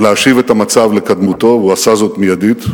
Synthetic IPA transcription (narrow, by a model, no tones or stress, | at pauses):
leaʃivet̪amat͡savlekad̪mut̪o̞vuasazo̞tmijadit̪